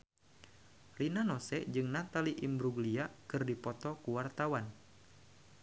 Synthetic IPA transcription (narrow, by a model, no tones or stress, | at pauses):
rinanɔsɛd͡ʒɨŋnat̪aliʔimbɾuɡliakɨrdipɔt̪ɔkuwart̪awan